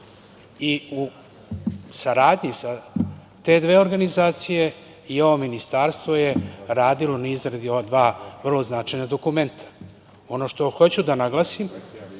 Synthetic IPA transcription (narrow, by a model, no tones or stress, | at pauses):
iu | saɾaːd̪ɲisa | t̪e̞d̪ʋe̞ːo̞ɾɡanizaːt̪sije̞ | io̞ʋominist̪aɾst̪vo̞je̞ɾaːd̪ilo̞naizɾad̪jo̞ʋad̪ʋaːvr̩lo̞znat͡ʃajnad̪o̞kume̞nt̪ʰḁ | o̞no̞ːʃt̪o̞xo̞t͡ɕud̪anaɡlˠasim